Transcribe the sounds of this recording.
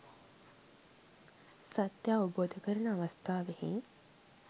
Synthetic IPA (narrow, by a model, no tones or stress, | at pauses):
sat̪jaːʋəboːd̪əkəɾənəɐʋɐst̪ʰaːʋeheŋ